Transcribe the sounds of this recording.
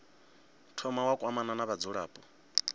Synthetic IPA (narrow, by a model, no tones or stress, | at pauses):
tʰɔmawakʼwamananaβad͡zuɺa̰ːpʼɔ